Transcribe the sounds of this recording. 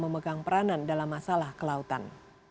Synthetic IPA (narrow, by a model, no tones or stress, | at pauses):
məməɡaŋpəɾanandalamːasalahkəlaut̪a̰n